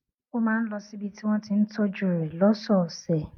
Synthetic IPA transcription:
o˦mãː˦n̩˦lɔ˧si˦bi˦ti˦w̃ɔ̃˦ti˧n̩˦tʰɔ˦d͡ʒu˦˨ɾɛ˨lɔ˦sɔ˦˨sɛ˨

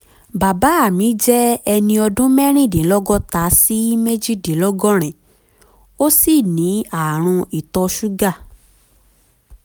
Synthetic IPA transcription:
ba˨ba˨˦a˦˨mĩ˨˦d͡ʒɛ˦ɛ˧nĩ˧ɔ˧dũ˦mɛ˦ɾ̃ĩ˦˨dẽ˨˦lɔ˦ɡɔ˦ta˨˦si˦me˦d͡ʒi˦˨dẽ˨˦lɔ˦ɡɔ˦ɾ̃ɛ̃˨ | o˦si˦˨nĩ˨˦a˨ɾ̃ũ˧i˨tɔ˧ʃu˦ɡa˦˨

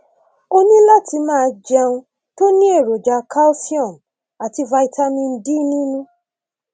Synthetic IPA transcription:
o˧nĩ˦la˦˨tʰi˧mãː˦˨˧d͡ʒɛ˧ũ˧ | to˦nĩ˦e˦˨ɾo˨d͡ʒa˨˦kʰa˦lfi˦ɔ̃˦˨m | a˨ti˧va˧i˧ta˧mĩ˧n̩˦di˦nĩ˦nũ˦

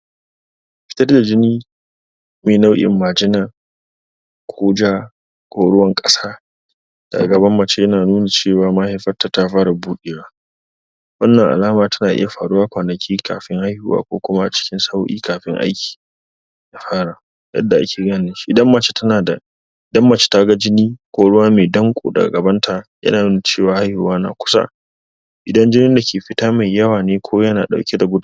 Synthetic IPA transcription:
ɸɪ̥˦tɐ˦rda˨d͡ʒɪ˦niː˦ | meː˨na˦wʔɪ̰˨mːaː˨d͡ʒɪ˦naː˨ | kʷʰoː˦d͡ʒaː˦ | kʷoː˦ɽʊ˦wɐ˦ŋkʼɐ˦saː˦ | d̥a̰˨ɡɐ˨bɐ˦mːɐ˨t͡ʃe˦jɐ˦naː˨nuː˦na˨t͡ʃeː˦˨waː˨˦mɐ˦ha˨jɸɐ˦tːa˨ta˦ɸaː˦ɽa˨buː˦ɗeː˨waː˦ | wɐ˦nːɐ˨ŋʔa̰˨laː˦maː˨tɐ̥˦naː˨ʔɪ̰˦ja˨ɸaː˨ɽʊ˦waː˦kʷaː˨nɐ˨kʲʰiː˦kʰa̰ː˨ɸɪ˦ŋha˦jhṵ˦wa̰ː˦kʷo̰ː˦kʷʊ˦ma˦ʔa˨t͡ʃɪ̥˦kʲɪ˦nsa˦wʔḭː˦kaː˨ɸɪ̰˦ŋʔa̰˦jkʲʰi̥ː˨ | na˨ɸaː˦ɽa˨ | jɐ̰˦dːa˨ʔa˦kʲʰeː˨ɡaː˦˨nɪ˦nʃi̥˦ʔɪ˨dɐ˦mːa˨t͡ʃe̥˦tʰɐ˦naː˨da˨ | ɪ˨dɐ˦mːa˨t͡ʃe̥˦ta˦ɡa˦d͡ʒɪ˦niː˦kʷoː˨˦ɽʊ˦waː˦meː˨dɐ˦ŋkʷʼo̰ː˨dɐ̰˨ɡa̰˨ɡɐ˨bɐ˦ntʰa˨jɐ̰˦naː˨mɪ˦ni˨t͡ʃeː˦˨waː˨ha˦jhʊ˦˨˦waː˦na̰ː˨kʷʊ̥˦sa̰˦ | ʔɪ˨dɐ˦nd͡ʒɪ˦nɪ˦nda˨kʲʰeː˨ɸɪ˦taː˦ma˨jjɐ˦waː˨neː˦kʷʰoː˦jɐ˦na̰ː˨ɗa̰˨wkʲe˦da˨ɡʷʊ˦d

